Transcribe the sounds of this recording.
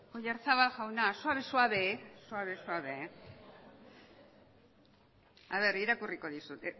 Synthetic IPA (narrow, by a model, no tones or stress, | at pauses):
ojaɾt͡saβaxawnasuaβesuaβesuaβesuaβe | aβe̞ɾiɾakuriko̞ðisut̪e